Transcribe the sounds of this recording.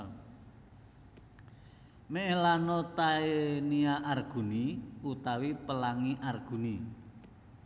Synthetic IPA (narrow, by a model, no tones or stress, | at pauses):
meʔelanɔt̪aeniaʔarɡ̥ṳniut̪awipəlaŋiʔarɡ̥ṳni